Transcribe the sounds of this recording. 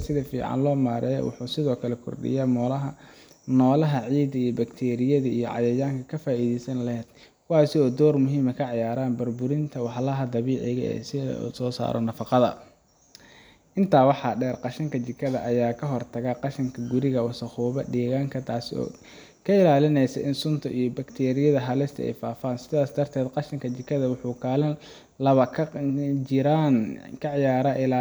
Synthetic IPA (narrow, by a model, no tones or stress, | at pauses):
sɪðɐfḭːʕɑ̰nlɔːmaːɾʔɛjwʊ̰ħuːsɪðɔːkʰɐlɛkʰʊ̰rɖɪ̰jaːmɔːlɐɦɐ | nɔːlɐɦɐʕiːd̪ɐijɔbɐkt̪ʰɛːɾɪjɐðɐijɔ̰ʕɑ̰jɐjaːŋkʰɐkʰɐfaːiːðɛjsɐnlɐhɛːd̪ | kʰʊwaːsɪɔːd̪ɔːrmʊɦiːmɐkʰɐʕɑjaːɾaːnbɐrbʊɾɪnt̪ʰɐwɑħlɐɦɐd̪ɐβiːʕɪɣɐ̰ɛ̰ːsɪ̰sɔːsa̰ːɾʔɔ̰nɐfɑqɑðɐ̰ | ʔɪnt̪ʰaːwɑħɑɖɛːrqɑʃɐŋkʰɐt͡ʃɪkʰːɐðɐʔɐjaːkʰɐɦɔrt̪ʰɐɣaqɑʃɐŋkʰɐɡʊɾɪɣɐwɑsɐχuːβɐɖiːɣaːŋkʰɐt̪ʰaːsɔ̰ː | kʰɐɪlaːlɪnɛjsɐ̰ʔɪnsʊnt̪ʰɐʔijɔbɐkt̪ʰɛːɾɪjɐðɐɦɐlɪst̪ʰɐ̰ɛ̰jfaːfaːnsɪðaːsd̪ɐrt̪ʰɛːd̪qɑʃɐŋkʰɐt͡ʃɪkʰːɐðɐwʊħuːkʰaːlɪ | lɐβɐkʰ | ɪɾankʰɐʕjaːɾaʔɪla